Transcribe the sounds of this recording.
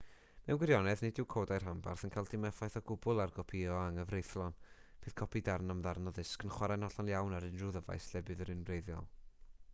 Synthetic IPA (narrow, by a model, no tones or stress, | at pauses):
mɛwnɡwɪɾjɔnɛðnedɪwkʰoːdajr̥ɦamba̰rθənkʰalˠdɪmɛfajθɔɡʊbʊlˠarɡɔpʰiɔaŋəvrejθlˠɔnb̥ɨːð̥kʰɔpʰidaɾnamðarnɔðɨskənχwaɾanɔɬɔnjawnaɾɨnruðəva̰jslɛbɨðəɾɨnrejðjɔ̰lˠ